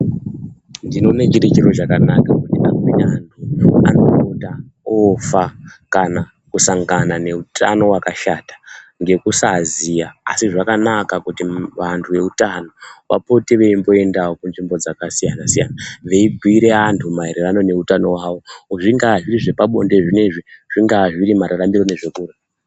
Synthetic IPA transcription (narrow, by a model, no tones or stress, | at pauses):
ndino̞net͡ʃiɾet͡ʃiɾo̞t͡ʃakanakakutiakinaantʰua̰no̞ota | ofakana | kusaŋɡanane̞utʰa̰no̞wakaʃatḁŋɡe̞kusazia̰ːsiʐakanakakutiʋantʰuʋe̞utano̞ʋa̰po̞teʋe̞imbo̞e̞ndawokunʐimbo̞d͡zakasijanasija̰naʋe̞ibʱiiɾe̞antʰumaiɾerano̞ne̞utano̞wawo̞uʐiŋɡaʐiriʐe̞paɓo̞̰nde̞ʐine̞ʐiʐ̥iŋɡaʐiɾimaɾarambiɾo̞ne̞ʐe̞kuːre